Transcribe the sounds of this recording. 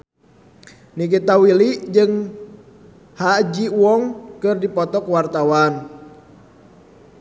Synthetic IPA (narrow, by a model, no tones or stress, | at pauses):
nik̬it̪awilid͡ʒɨŋ | had͡ʒiwɔŋkɨrdipɔt̪ɔkwart̪awan